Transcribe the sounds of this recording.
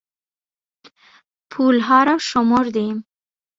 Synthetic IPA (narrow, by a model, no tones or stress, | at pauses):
pʰulɦɑɾawʃʊmoɾd̪em